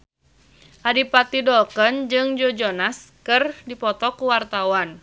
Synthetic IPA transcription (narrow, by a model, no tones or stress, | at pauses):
ʔadipat̪idɔkənd͡ʒɨŋd͡ʒɔd͡ʒɔnaskɨrdipɔt̪ɔkuwart̪awan